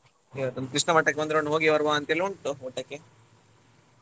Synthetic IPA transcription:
iʋɐt̪ːond̪ukɾiʂnɐmɐʈːɐkːebond̪ɾoɳɖɦoɡiʋɐɾʋaɐnt̪eluɳʈːuuʈːɐkːe

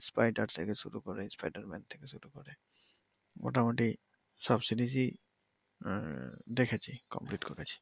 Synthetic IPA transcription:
spajɖaɾt̪ʰekesuɾukɔɹɛinspajdaɹmɛ̰nt̪ʰekesuɾukɔɾɛ | mo̰tamoʈi | sɔbsidizi | d̪ekʰat͡ʃʰikɔ̰mpliʈkoɾat͡ɕʰi̥

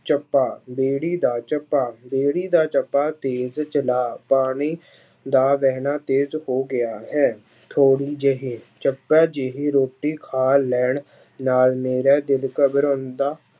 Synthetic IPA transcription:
t͡ʃəpːaːbeːɽiːd̪aːt͡ʃəpːaːbeːɽiːd̪aːt͡ʃəpːaːt̪eːzt͡ʃəlaːpaːɽ̃iː | d̪aːʋɛːɦnaːt̪eːzhoːɡɪjaːɦɛː | t̪ʰoːɽiːd͡ʒeɦeːt͡ʃəpːaːd͡ʒeɦiɾoːʈːiːkʰaːlɛːɳ | naːlmeːɾɛːd̪ɪlkəbəɾõːnd̪aː

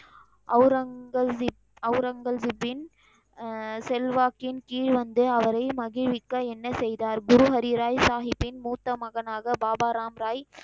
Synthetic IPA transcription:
ʔɐɾɐ | ɐʊɾɐŋɡɐlzɪbːɪn | sɛlʋaːkɪnkiːɻʋɐnd̪ɯɐʋɐɾɐɪmɐɣɪʋɪkːɐɛnːɐsɛjðaːɾɡʊɾʊɦɐɾiɾaːjsaːɦɪpːɪnmuːt̪ːɐmɐɣɐnaːɣɐbaːbaːɾaːmɾaːj

